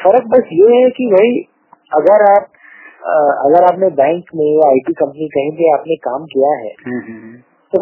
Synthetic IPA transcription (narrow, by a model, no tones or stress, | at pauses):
fɐɾək̚bɐsjeɦɛkiʋɐɦi | ɐɡəɾaːp̚ | ɐ̰ɡəɾaːpnẽbɛ̃ːŋkmẽjaaːɪʈikɐ̃mpənikɐɦẽt̪eaːpnekaːmkijaɦɛ̰ːɦː | t̪o